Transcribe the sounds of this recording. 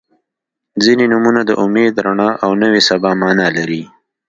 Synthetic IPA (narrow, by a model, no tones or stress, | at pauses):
zinenʊmunad̪əʔʊmed̪ɾaɳɑʔawnəwesabɑmɑːnalaɾi